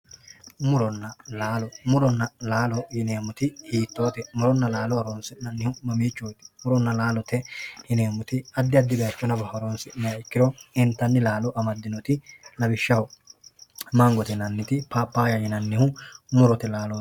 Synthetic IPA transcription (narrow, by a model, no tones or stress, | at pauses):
mʊɾɔnːɐlaːlɔmʊɾɔnːɐlaːlɔjɪneːmʊt̪ɪhiːt̪ːoːt̪ɛmʊɾɔnːɐlaːlɔɐɾoːnsɪnɐnːɪhʊmɐmiːt͡ʃːojt̪ɪ̥mʊɾɔnːɐlaːlɔt̪ɛjɪneːmʊt̪ɪɐd̪ːɪɐd̪ːɪbɛjɐt͡ʃːɔnɐbɐhɐɾoːnsɪnɛjɐɪkːɪɾɔɪnt̪ːɐnːɪlaːlɔʔɐmɐd̪ːɪnɔt̪ɪlɐbɪʃːɐwɔ | mɐŋɡɔt̪ɛnɐnːɪt̪ɪpaːpːaːjɐjɪnɐnːɪhʊmʊɾɔt̪ɛlaːlɔ